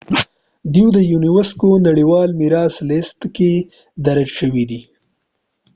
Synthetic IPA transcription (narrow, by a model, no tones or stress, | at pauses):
d̪iwd̪əjuniwəskonaɽiwɑlmiɾɑslɪst̪ke | d̪aɾad͡ʒʃəwid̪i